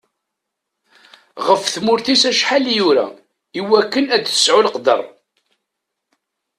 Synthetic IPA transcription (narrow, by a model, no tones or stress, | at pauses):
ʁəfθmʊɾθisæʃħaljuɾæ̰ | iwækːənæd̪θə̥sʕʊlqd̪ə̰rˤ